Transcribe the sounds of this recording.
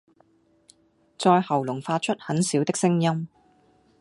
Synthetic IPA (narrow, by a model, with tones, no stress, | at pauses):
t͡sɔː˧jhɐ˨˩wlʊ˨˩ŋfaː˧t̚t͡ʃʰɵ˥t̚hɐ˨˥nsiː˨˥wt̪ɪ˥k̚sɪ˥ŋjɐ˥m